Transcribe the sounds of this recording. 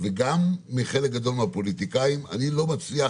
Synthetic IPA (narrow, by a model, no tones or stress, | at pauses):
veɡamːiχe̞lek̚ɡad̪o̞lmeapo̞lit̪ikaima̰nilo̞mat͡slia